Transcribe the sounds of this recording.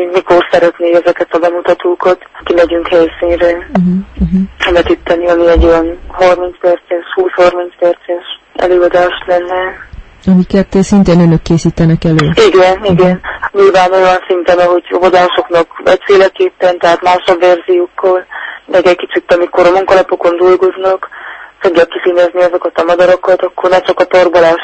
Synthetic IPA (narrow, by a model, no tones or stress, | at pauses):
mikorsɛɾɛt̪neːɛzɛkɛt̪ɒbɛmut̪ɒt̪oːkɒt̪kimɛɟyŋkhɛjsiːnrɛɦ̩ɦ̩ɛmɛt̪it̪ʰːɛniɒmiɛɟojɛnhormint̪spɛrt̪sɛʃhuːshormint̪spɛrt̪sɛʃ | ɛ̰løːɒd̪aːʃlɛnːɛ | ɒmikɛt̪ːsint̪eːnønøkːeːsiːt̪ɛnɛkɛløːiɡɛniɡɛnɲilvaːno̞jɒnsint̪ɛnɒɦo̞ɟo̰vod̪aːʃo̞knɒkvɛ̰t̪feːlɛkeːpːɛnt̪ɛɦaːt̪maːʃɒbvɛrzijoːkːɒlmɛɡɛkit͡ʃit̪ːɒmikoɾɒmuŋkɒlɒpoko̞nd̪ulɡoznɒkfoɡjaːkːisiɲɛzniɒzo̞kɒt̪ɒmɒd̪ɒɾokɒt̪ɒkːornɛt͡ʃɒkɒp̪orbolaːʃ